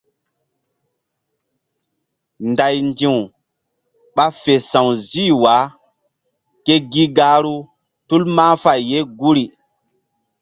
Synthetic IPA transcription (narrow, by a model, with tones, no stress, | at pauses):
nda˨jndĩ˨w | ɓa˦fe˨sã˨wzi˦wa˨˦ | ke˦ɡi˦ɡa˦ɾu˦ | tu˦lmãː˦fa˨jːe˦ɡu˦ɾi˨